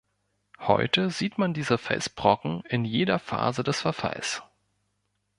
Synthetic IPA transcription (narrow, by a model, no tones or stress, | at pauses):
hɔ̰ʏtəziːtmandiːzəfɛ̰s̚b̥ʁ̥ɔkŋ̩ɪnjeːdɐfa̰ːzədɛsfɛɐfa̰ls